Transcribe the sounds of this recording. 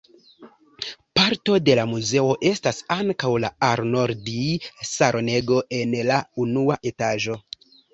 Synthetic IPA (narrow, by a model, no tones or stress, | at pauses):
paɾto̞de̞lamuze̞o̞ʔe̞stasaŋkawlaaɾno̞ɾdisaɾʔone̞ɡo̞ʔe̞nlaunuaʔe̞taʒo̞